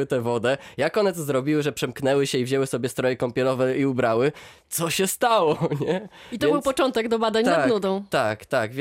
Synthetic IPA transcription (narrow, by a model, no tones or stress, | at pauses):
ɘt̪ɛvɔd̪ɛjakɔnɛt̪ɔzɾɔbʲiwɘʐɛpʂɛmknɛwɘɕɛivʑɛwɘsɔbʲjɛst̪ɾɔjɛkɔmpʲɛlɔvɛiubɾawɘt̪sɔɕɛst̪awɔɲɛit̪ɔɛbɘwpɔt͡ʂɔnt̪ɛɡd̪ɔbad̪aɲadnud̪ɔ̃w̃t̪akt̪aɡvʲ